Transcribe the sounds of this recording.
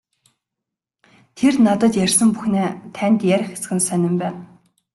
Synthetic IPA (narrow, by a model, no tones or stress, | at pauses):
t̪ʰernat̪ə̆t̪jærʲsə̆mpuxneːt̪ʰænt̪jæɾ̆ʲxe̥sɘ̆ɡɘ̆nsænʲɪ̆mpæːw